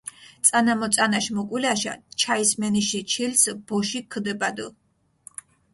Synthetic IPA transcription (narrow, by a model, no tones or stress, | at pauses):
t̪sʼanamɔt̪sʼanaʃmɔkʼwilaʃa̰t͡ʃʰaismɛniʃit͡ʃʰilsb̥ɔʃikʰd̪ɛbad̪u